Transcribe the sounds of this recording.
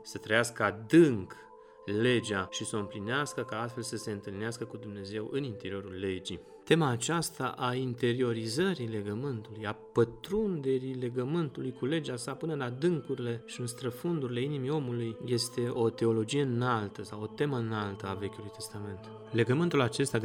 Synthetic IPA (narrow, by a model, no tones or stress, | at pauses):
sət̪ɾəjaskəad̪ɨŋk | le̞d͡ʒaʃisəɨmplineaskəkaast̪fe̞lsəse̞ɨnt̪ɨlneaskəkud̪umne̞ze̞wʔɨnint̪e̞ɾio̞ɾulːe̞d͡ʒi | t̪e̞maːt͡ʃast̪a̰ʔaint̪e̞ɾio̞ɾizəɾile̞ɡəmɨnt̪ulujapət̪ɾund̪e̞ɾile̞ɡəmɨnt̪ulujkule̞d͡ʒasapɨnəlad̪ɨŋkuɾile̞ʃiɨnst̪ɾəfund̪uɾileinimio̞mulujje̞st̪e̞ʔo̞t̪e̞o̞lo̞d͡ʒije̞ɨnalt̪əsawo̞t̪e̞məɨnalt̪əave̞kʲulujt̪e̞st̪ame̞nt̪ | le̞ɡəmɨnt̪ulat͡ʃe̞st̪ʲa